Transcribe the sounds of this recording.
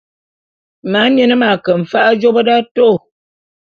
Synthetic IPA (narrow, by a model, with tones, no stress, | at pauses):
ma˨˦mjɛ˦nə˦ma˨kə˨ɱ̩˨fa˦ʔa˦d͡ʒo˦bə˦da˦to˦˨